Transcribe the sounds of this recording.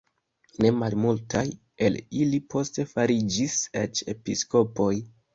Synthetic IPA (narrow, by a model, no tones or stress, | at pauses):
ne̞malmultaj | e̞lilipʰo̞ste̞faɾid͡ʒiset͡ʃe̞̰pisko̞po̞j